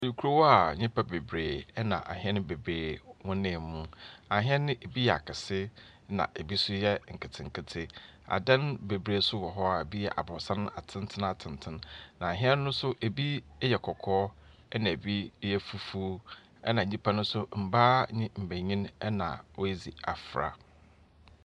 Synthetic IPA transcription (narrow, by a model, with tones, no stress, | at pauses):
o˨di˨kʰu˦ɾo˦wɔ˦a˨ɲɪ̃˦pʰa˦be˨bɾeː˨ɛ˦nã̰˨ʔa̰˨ɦɛ˦nɪ̃˦be˨bɾeː˨wɔ̃˦nɪ̃˨mũ˦a˨ɦɪ̃˦ɛ˦nɪ̃˦ʔe˨bi˦jɛ˨a̰˨kʰɪ˨sɪ˦ | nã̰˨ʔe˨bi˦sʊ˦jɛ˦ŋ̩˨kʰɪ˨tʰɪ̃˨ŋ̩˨kʰɪ˦tʰɪ˦a̰˨dã˦nbe˨bɾeː˨˦sʊ˦wɔ˨ɦɔ˦a˨e˨bi˦jɛ̰˨ʔa̰˨bɔ˨sã˦n˦a˨tʰɪ̃˦n˦tʰɪ̃˦n˨a˨tʰɪ̃˨ntʰɪ̃˦nnã˨a˨ɦɪ̃˦ɛ˦nː˦ʊ̃˦sʊ˦ʔe˨bi˦jɛ˨kʰɔ˨kʰɔː˦ | ɛ˦nã˨e˨bi˦jɛ˦fu˦fu˦ | ɛ̰˦nã˨ɲĩ˦pʰã˦nʊ̃˦sʊ˦m̩˨baː˦ɲɪ̃˦m̩˨bæ˨ɲĩ˦nɛ˦nã̰˨wo˦e˦d͡zi˨a̰˨fɾa̰˨